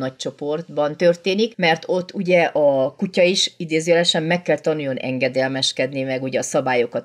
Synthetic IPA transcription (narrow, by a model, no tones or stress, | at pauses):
nɒc̚t͡ʃo̞po̞rd̪bɒnt̪ø̞rt̪eːnikmɛrt̪o̞t̪ːuɟɛʔɒkucɒiʃid̪eːzyɛlɛʃɛmːɛkːɛlt̪ɒnujo̞nʔɛ̰ŋɡɛd̪ɛlmɛʃkɛd̪nimɛɡuɟɛɒsɒbaːjo̞kɒt̪